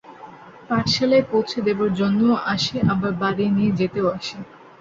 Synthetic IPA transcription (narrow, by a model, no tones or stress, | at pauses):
paɾʃalepowt͡ɕʰed̪ebaɾd͡ʑonːooʔaʃeʔabaɾbaɾinied͡ʑet̪eoaʃe